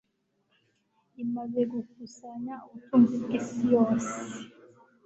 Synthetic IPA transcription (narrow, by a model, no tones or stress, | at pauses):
imazeɡukusaɲautumzikisijoːse̥